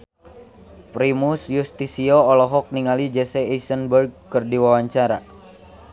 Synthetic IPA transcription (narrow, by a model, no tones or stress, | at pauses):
pɾimusjust̪isiɔːlɔɦɔk̚niŋalid͡ʒɛsɛisənbərɡ̚kɨrdiwawaɲt͡ʃaɾa̰